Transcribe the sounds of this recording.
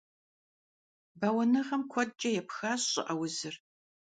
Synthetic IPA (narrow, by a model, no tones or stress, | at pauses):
bawɐnɨʁɐmkʷʰɔd̚t͡ʃʼɐjɛpxaːɕɕʼɪ̰ʔɐwʊzɨr